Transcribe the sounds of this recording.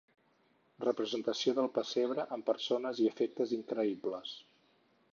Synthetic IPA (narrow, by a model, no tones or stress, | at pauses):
rəpɾəzənt̪əsioðəlˠpəseβ̞ɾəʔəmpəɾsonəziəfek̚t̪əziŋkɾəipləs